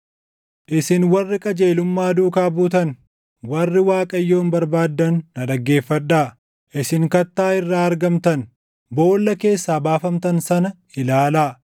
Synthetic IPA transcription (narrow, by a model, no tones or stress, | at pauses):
ʔɪsɪnwɐrːɪkʼɐd͡ʒeːlʊmːaːd̪uːkaːbuːt̪ɐn | wɐrːɪwaːkʼɐjːo̞ːnbɐɾbaːd̪ːɐnːɐᶑɐɡːe̞ːfːɐᶑːaː | ʔɪsɪŋkɐt̪ːaːɪrːaːɐɾɡɐmt̪ɐn | bo̞ːlːɐke̞ːsːaːbaːfɐmt̪ɐnsɐnɐ | ɪlaːlaː